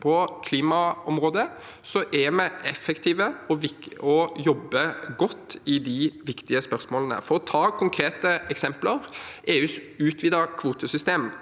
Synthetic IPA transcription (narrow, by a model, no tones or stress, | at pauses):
pʰɔkʰliːmɑɔmɾoːd̪ə | sɔʔɛmɛɛfːəkt̪ʰiːʋəɔʋɪɔjɔbːəɡɔt̪ːɪd̪ɪʋɪkt̪ɪəspœʁsmoːlənə̰fɔɾɔt̪ʰɑːkʰʊŋkʰɾeːt̪əɛksɛmpləɾʔeːʉːsʉːt̪ʰʋiːd̪ɑkʰʋuːt̪əsʏst̪eːm